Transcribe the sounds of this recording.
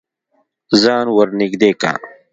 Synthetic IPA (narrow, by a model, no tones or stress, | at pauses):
zaːnwɐɾniɡd̪eːka̰ː